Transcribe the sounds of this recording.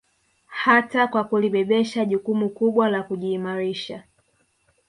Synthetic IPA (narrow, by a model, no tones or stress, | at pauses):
hatakwakuliɓɛɓɛʃaʄukumukuɓwalakuʄiːmaɾiʃa